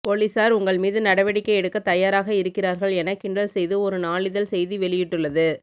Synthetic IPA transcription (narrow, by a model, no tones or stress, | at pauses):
poliːsaːɾʊŋɡɐɭmiːðɯnɐɽɐʋɐɽɪkːɐɪɛɽɯkːɐt̪ːɐjaːɾaːɣɐɪɾɯkːɪraːɾɣɐɭɛnɐkːɪɳɖɐlsɛjðɯɔɾɯnaːɭɪðɐlsɛjðiʋɛɭɪjɪʈːɯɭːɐðɯ